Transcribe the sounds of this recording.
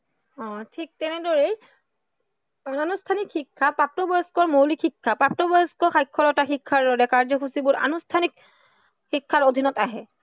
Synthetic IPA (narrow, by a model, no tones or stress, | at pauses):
ɔ̃tʰik̚tɛnɛdɔɹej | aanustʰanikxikʰːapap̚tɔbɔjskɔɹmowlikʰikʰːapɹap̚tɔbɔjɛskɔxajkʰːɔlɔtaxikʰːaɹdɔɹɛkaɹzɔxusibʊɹʔa̰nustʰanik | xikʰːaɹodʱinɔtaɦɛ